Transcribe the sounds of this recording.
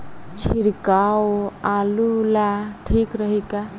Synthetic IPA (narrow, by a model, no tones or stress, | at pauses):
t͡ʃʰiɽkaoalulaʈʰikɾəɦika